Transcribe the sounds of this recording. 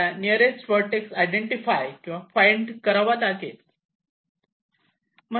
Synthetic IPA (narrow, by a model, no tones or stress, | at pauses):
aniəɾesfəɾʈeksajɖeɳʈifajkĩw̃ʋafajɳɖkəɾaʋat̪aket̪ | m̤ə